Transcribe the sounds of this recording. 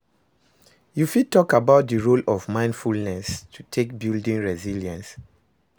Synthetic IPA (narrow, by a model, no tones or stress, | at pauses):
jufid̚tɔkabaʊt̚dəɹolɔvmãɪ̃ndfulnɛstʰutʰekbildĩŋɹɛziljãns